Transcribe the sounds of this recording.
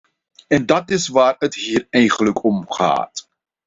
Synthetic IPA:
ɛndɑtɪsʋaːrətɦiːrɛjχənləkʰɔmχa̰ːt

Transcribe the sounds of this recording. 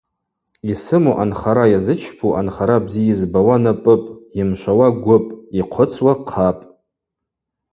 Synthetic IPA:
isɨmuʔanχaɾajazɨt͡ʃʰpʰuʔa̰nχaɾabzijɪzbawanapʼɨpʼjɪmʃʷawaɡʷʊpʼiqʷʰʊt͡sʰʼwaqʰapʼ

